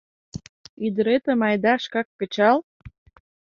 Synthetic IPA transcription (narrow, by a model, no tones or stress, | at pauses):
yd̪əɾet̪ə̆mɑjd̪ɑʃkɑkːə̆t͡ɕɑl